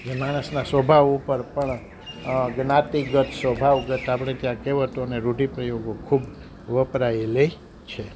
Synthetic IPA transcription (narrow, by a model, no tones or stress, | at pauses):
d͡ʒemaɽ̃əsnãsʋəbʱaʋupəɾpəɳ | ɡnat̪iɡət̪sʋəbʱaʋɡət̪apɽ̃et̪jãkeʋət̪oneɾuɖipɾəjoɡokʰub | ʋəpɾaele | t͡ʃʰe